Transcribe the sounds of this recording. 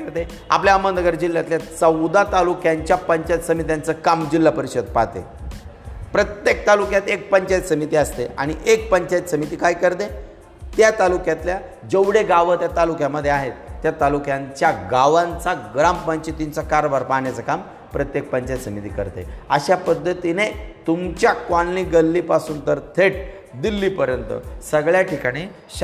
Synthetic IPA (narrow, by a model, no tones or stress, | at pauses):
kəɾt̪e | a̰pljaəmənd̪əɡəɾd͡ʑilːjat̪ljat͡səwd̪at̪alukjaɲt͡ɕjapəɲt͡ɕajət̪səmit̪̬jant͡səkamd͡ʑilːapəɾiɕəd̪̚pat̪ḛ | pɾət̪jek̚t̪alukjat̪ek̚pəɲt͡ɕajət̪səmit̪iːəst̪ḛʔa̰ɽ̃iʔek̚pəɲt͡ɕajət̪səmit̪iːkaikəɾt̪e | t̪jat̪alukjat̪lja | d͡ʑəʋɽeɡaʋət̪jat̪alukjaməd̪ʱːjeaɦet̪ːjat̪alukjaɲt͡ɕjaɡaʋãnt͡saɡɾammənt͡ɕit̪iɲt͡sakaɾəbaɾpaɳjat͡səkam | pɾət̪jek̚pəɲt͡ɕajt̪səmit̪iːkə̰ɾt̪ḛəɕapəd̪ʱːət̪inet̪umt͡ɕjakanliːɡəlːiːpasuːnt̪əɾt̪ʰeʈ | d̪ilːiːpəɾjənt̪ə̰səɡɭjaʈʰikaɽ̃iː | ɕ